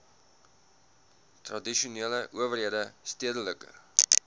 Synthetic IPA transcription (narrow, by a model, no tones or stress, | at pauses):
trɐdiʃuniələʔuəvərɦiədəstiədələkə̰